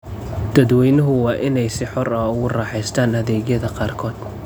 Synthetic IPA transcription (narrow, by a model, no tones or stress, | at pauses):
d̪̥ɐd̪wɛjnɐɦʊwɑːʔɪnɛjsɪħɔrɐʊɣʊrɑːħɛjst̪ʰaːnhɐðɛːɣjɐðɐqɑːrkʰɔːd̪